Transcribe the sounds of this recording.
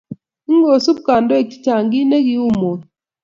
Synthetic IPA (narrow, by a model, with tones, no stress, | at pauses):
i˦ŋɡo˨su˦βukaː˨ndo˦e˦˨ki̥˦taː˨ŋɡi˦ne˦ɣi˦u˦mo˨